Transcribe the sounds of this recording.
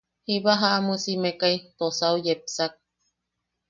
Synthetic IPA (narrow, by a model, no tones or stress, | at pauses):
hiβaɦaʔmusimekait̪osaujep̚sak̚